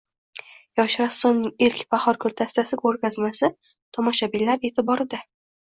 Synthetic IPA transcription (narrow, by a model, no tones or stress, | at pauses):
jɒʃɾasːomnɪŋelkʲpaχɒɾkʰɵɾt̪ʰast̪ʰasɪkʰɵɾkʲazmasɪ | t̪ʰɒmɒʃabilːaɾe̞t̪ʰɪbɒɾɪd̪a